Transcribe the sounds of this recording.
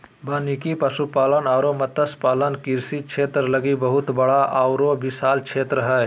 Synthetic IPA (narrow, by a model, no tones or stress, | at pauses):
baːnikipəʃupaːlənaːɾomət̪əspaːlənkiɾsit͡ʃʰeːt̪ɾələɡibəɦʊt̪bəɽaʔaːʊɾobɪsaːlt͡ʃʰeːt̪ɾəɦɛː